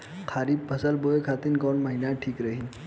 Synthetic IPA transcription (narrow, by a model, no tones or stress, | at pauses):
kʰaɾiːppəsəlbojekʰat̪iːnkɔɳməɦinaʈʰiːkɾəɦi